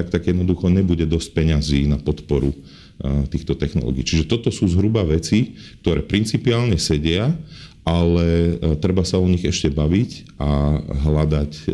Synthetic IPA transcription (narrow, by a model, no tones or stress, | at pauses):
ak̚t̪aɡjɛd̪nɔd̪uxɔɲɛbuɟɛd̪ɔsc̚pɛɲaziːnapɔt̪pɔɾu | t̪iːxt̪ɔt̪ɛxnɔlɔ̰ːɡḭːt͡ʃiʒɛt̪ɔt̪ɔsuːzɦɾubaʋɛt͡sik̚t̪ɔɾɛ̰ːpɾint͡sipiaːlɲɛsɛɟɪaʔalɛt̪ɾɛbasaɔɲiɣɛʃcɛbaʋic | aɦlad̪ac